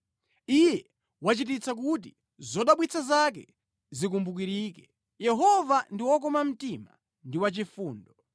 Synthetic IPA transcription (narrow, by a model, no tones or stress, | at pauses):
ijɛ | wat͡ʃit̬it͡sak̬ut̬i | zɔɗaɓwit͡sʰazak̬ɛ̰ | zik̬umbuk̬iɾiːkɛ | jɛɦɔvandiwɔk̬ɔmam̩tima̰ | ndiwat͡ʃifuːndɔ